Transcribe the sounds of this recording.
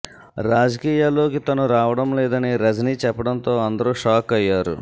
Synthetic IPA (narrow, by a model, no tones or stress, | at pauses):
ɾaːd͡ʒɐkiːjaːlo̞ːkit̪ɐnuɾaːʋɐɽɐmlɛːd̪ɐniɾɐd͡ʒɐniːt͡ʃɛpːɐɽɐnt̪o̞ːɐnd̪ɐɾuʂaːkɐjːaːɾṵ